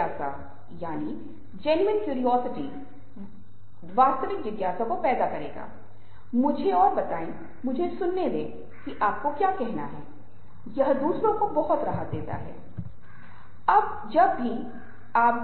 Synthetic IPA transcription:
aːsa̰ | jaːni | d͡ʒɛnuənkjuːɾijɔːsɪʈi | ʋaːst̪əʋɪkʋɪɡ̪jaːsãkopɛːd̪akɐɾḛːɡa̰ː | mʊd͡ʒʱeɔːɾbɐt̪aːĩ | mʊd͡ʒʱesʊnːeleː | kiʔaːp̚kokjaːkɛɦna̰ɦɛː | jɐɦd̪uːsɾõkobɐɦʊt̪ɾɐɦət̪̚d̪eːt̪a̰ɦɛ̰ː | ɐb̚ | d͡ʒɐbːʱi | aːp

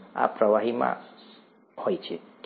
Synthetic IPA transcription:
a̰pɾʌwaɦimã̰ | hojt͡ʃʰḭk

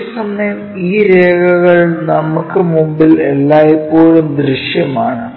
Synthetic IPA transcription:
sɐmnɐm | iːɾeːɣɐɣɐɭnɐmukːɨmumbilelːaːjipːoːɻumd̪ɾiɕjɐmaːɳɨ

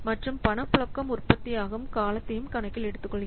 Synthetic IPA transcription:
mɐʈrɯmpɐɳɐpːʊɭɐkːɐmʊrpɐt̪ːɪjaːɣɐɯmkaːlɐt̪ːɐjɯmkɐnɐkːɪlɛɽɯt̪ːɯkːɔɭːɪ

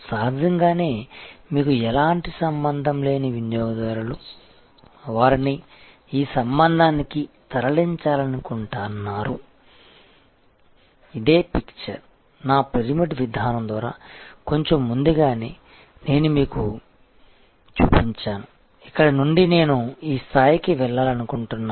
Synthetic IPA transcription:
saːd̪ʱɐŋɡaːne̞ːmiːkuɛlaːɳʈisɐmbɐnd̪ʱɐmle̞ːniʋinjɔːɡɐd̪ɐɾulu | ʋaːɾini | iːsɐmbɐnd̪ʱaːnikit̪ɐɾɐɭiɲt͡ʃaːlɐnukuɳʈaːnːaːɾu | id̪e̞ːpikt͡ʃɐɾ | naːpɾeɾimiʈʋid̪ʱaːnɐmd̪ʋaːɾa̰ːko̞ɲt͡ʃomːund̪uɡaːneː | ne̞ːnumiːku | t͡ʃṵːpiɲt͡ʃaːnu | ikːɐɽɐnuɳɖine̞ːnuiːst̪ʰaːjikiʋɛɭːaːlɐnukuɳʈunːa

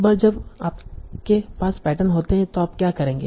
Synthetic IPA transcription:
baːɾd͡ʒɐbaːp̚kepaːspɛːʈənɦoːt̪eɦɛ̃t̪oaːp̚kjaːkɐɾẽːŋɡeː

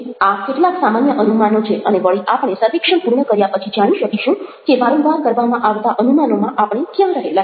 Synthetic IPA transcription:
akeʈlaksamanjəʔənumanot͡ʃʰeʔəneʋəɭiʔapɳ̃esəɾʋekʂəɳpuɾɳəkəɾjapət͡ʃʰid͡ʒaɽ̃iʃəkiʃũkeʋaɾũbʱakəɾʋamãʔaʋt̪aʔənumanomãʔapɳ̃ekjɛmɾəɦela

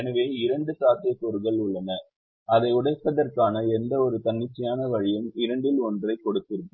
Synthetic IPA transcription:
ɛnɐʋeːɪɾɐɳɖɯsaːt̪ɐjɐpːoɾɯɣɐɭʊɭːɐnɐ | ɐðɐɪʊɽɐɪp̪ːɐðɐrkaːnɐɛnd̪ɐɔɾɯt̪ɐnːɪt͡ʃːɐjaːnɐʋɐɻɪjɐmɪɾɐɳɖɪlɔndrɐɪkːɔɽɯt̪ːɪɾɯɯ

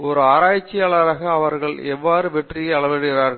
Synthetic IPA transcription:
ɔɾɯaːɾaːjt͡ʃːɪjaːɭɐɾaːɣɐːʋɐɾɣɐɭɛʋːaːɾɯʋɛʈrɪjɐɐɭɐʋɛɽɯɣɪɾaːɾɣɐɭ

